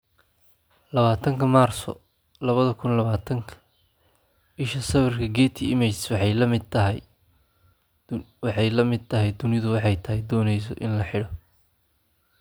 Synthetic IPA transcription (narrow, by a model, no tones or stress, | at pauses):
lɐβaːt̪ʰɐŋkʰɐmaːrsɔ̰ | lɐβɐðɐkʰʊnlɐβaːt̪ʰɐŋkʰɐ̥ | bɪʃɐsɐwɪrkʰɐɡɛːt̪ʰiɪmɪt͡ʃswɑħɑjlɐmɪɐɦ | wɑħɑjlɐmɪd̪̚t̪ʰɐɦɛjd̪ʊnɪðʊwɑħɑjt̪ʰɐɦɛjd̪ɔːnɛjs̬ɔʔɪnlɐħɪɽɔ